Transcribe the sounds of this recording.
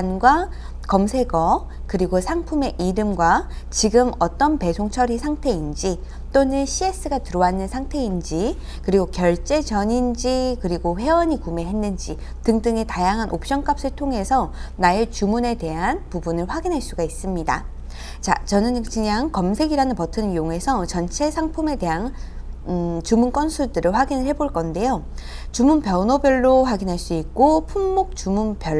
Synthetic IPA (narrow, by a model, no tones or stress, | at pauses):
nɡwa | kʌmsʰe̞ɡʌ | kɯɾiɡosʰaŋpʰume̞ʔiɾɯmɡwat͡ɕiɡɯmʌt͈ʌnpe̞sʰoŋt͡ɕʰʌɾisʰaŋtʰe̞ind͡ʑi | t͈onɯnɕʰies͈ɯɡatɯɾʌwanːɯnsʰaŋtʰe̞ind͡ʑi | kɯɾiɡokjʌɭt͡ɕ͈e̞t͡ɕʌɲind͡ʑikɯɾiɡoɸe̞wʌɲikume̞ɦe̞nːɯnd͡ʑi | tɯŋdɯŋe̞tajaŋɦanʔop̚ɕ͈ʌŋk͈ap̚s͈ɯɭtʰoŋɦe̞sʰʌnaet͡ɕumune̞de̞ɦanpubunɯɭɸwaɡinɦaɭs͈uɡais͈ɯmɲida̰ | t͡ɕa̰t͡ɕʌnɯnkɯɲaŋkʌmsʰe̞ɡiɾanɯnpʌtʰɯnjoŋɦe̞sʰʌt͡ɕʌnt͡ɕʰe̞sʰaŋpʰume̞de̞ɦan | t͡ɕumunk͈ʌnsʰuɭdɯɾɯɭɸwaɡinɯɭhe̞boɭk͈ʌnde̞jo | t͡ɕumunpjʌnobjʌɭːoɸwaɡinɦaɭs͈uik̚k͈opʰumːok̚t͡ɕumunpjʌɭ